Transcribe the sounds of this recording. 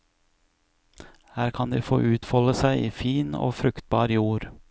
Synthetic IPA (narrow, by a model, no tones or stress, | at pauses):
hæːɾkʰɑnd̪iːfo̰ːʔʉːt̪fɔləsæɪʔiːfiːno̰ːfɾʉkt̪̚bɑːɾjuːɾ